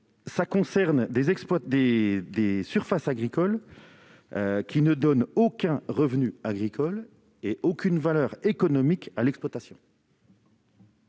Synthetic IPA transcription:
sakɔ̃sɛʁnd̪ezɛkspwad̪ed̪esyʁfasaɡʁikɔl | kʲinəd̪ɔnokʲɛ̃ʁəvnyaɡʁikʰɔl | eʔokʲynvalœʁekɔnɔmikalɛkspwat̪asjɔ̃

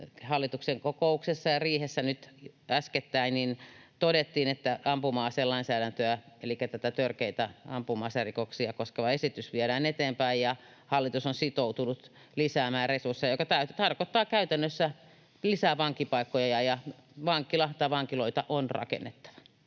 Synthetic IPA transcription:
hɑlːit̪ukseŋkokouksesːɑjɑriːhesːænyt̪æsket̪ːæinnint̪odet̪ːiːnet̪ːæɑmpumɑːseːlɑinsæːɾænt̪øæ | elikːæt̪æt̪æt̪ørkeit̪æɑ̰mpumɑːserikoksiɑkoskeʋɑesit̪ysʋieɾæːnet̪eːmpæijjɑ | hɑlːit̪usonsit̪out̪unut̪ | lisæːmæːrresursːejokɑt̪æyt̪t̪ɑrkot̪ːɑːkæyt̪ænːøsːæ | lisæːʋɑŋkːipɑikːojɑjɑjɑʋɑŋkilɑt̪ɑʋɑŋkiloit̪ɑʔonrɑ̰kḛnːet̪ːɑ̥ʋɑ̥

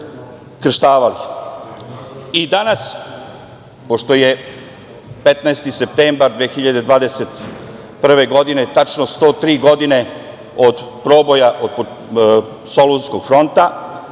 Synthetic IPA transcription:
kr̩ʃt̪aːʋalix | id̪anas | po̞ʃt̪o̞je | pet̪naest̪isep̚t̪eːmbaɾd̪ʋeːxiʎad̪e̞d̪ʋaːd̪eset̪ | pr̩ʋe̞ɡo̞d̪inet̪at͡ʃnost̪o̞ːt̪ɾiːɡo̞d̪ine̞ | o̞d̪pɾo̞ːbo̞jaʔod̪̚po | so̞lunsko̞ɡ̥fɾo̞nt̪a

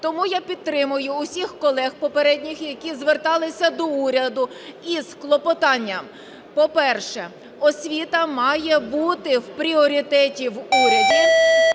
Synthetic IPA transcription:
t̪ɔmujapʲidt̪ːɾɪmʊjʊʊsʲixkɔlˠɛxpɔpeɾɛdʲnʲixjɐkʲizʋert̪ɑlˠɪsʲɐd̪ɔuɾʲɐd̪ʊ | isklˠɔpɔt̪ɑnʲːɐm | pɔpɛrʃɛ | ɔsʲʋʲit̪ɐmɑjɛbut̪ɪwpɾʲiɔɾʲit̪ɛtʲiwuɾʲɐd̪ʲi

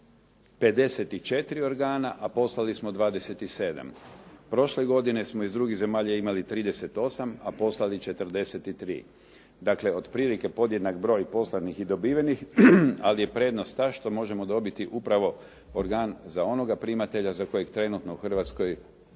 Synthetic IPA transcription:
pe̞d̪e̞set̪it͡ʃe̞t̪iɾio̞ɾɡaːnaʔapo̞slˠalismo̞d̪ʋaːd̪e̞se̞t̪ise̞ːd̪a̰mpɾo̞ʃle̞ɡo̞d̪ine̞smo̞izd̪ɾuɡize̞maːʎaimalit̪ɾiːd̪ese̞t̪o̞samapo̞slˠalit͡ʃe̞t̪r̩d̪e̞se̞t̪it̪ɾḭː | d̪aːkle̞o̞d̪pɾiːlike̞po̞d̪jed̪nakbɾo̞ːjpo̞slˠad̪nixid̪o̞biːʋenixalije̞pɾe̞ːd̪no̞st̪ːaʃt̪o̞mo̞ʒe̞mo̞d̪o̞bit̪iʔupɾaʋo̞ | oɾɡaːnzao̞no̞ɡapɾimat̪e̞ʎazako̞jekt̪ɾe̞nut̪no̞uxr̩ʋat̪sko̞j

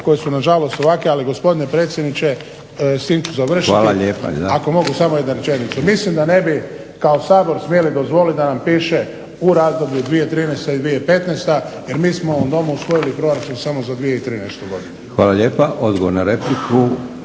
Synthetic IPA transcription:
ko̞jesunaʒalo̞st̪oʋakealiɡo̞spo̞d̪ine̞pɾet̪sʲjed̪nit͡ʃe̞ | st̪imt͡ʃuzaʋr̩ʃiaːlaʎeːpa̰ako̞mo̞ɡusamoje̞d̪naɾet͡ʃe̞nit̪sumislimd̪ane̞bi | kaosaːbo̞ɾsmjelid̪o̞zʋo̞lid̪anampiːʃe̞ | uɾazd̪o̞bʎud̪ʋijet̪ɾiːnɛst̪aid̪ʋijepe̞t̪neːst̪aje̞ɾmiːsmooomd̪o̞muusʋo̞jilipɾo̞ɾat͡ʃumsamo̞zad̪ʋijeit̪ɾiːnɛst̪uɡo̞d̪inexʋaːlaʎeːpaʔod̪ɡoʋoɾnaɾeplikʰu

